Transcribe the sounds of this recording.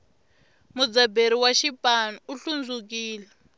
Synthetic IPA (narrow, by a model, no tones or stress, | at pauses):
mud͡zabeɾiwaʃipʼanuuɬund͡zuk̬iːlɛ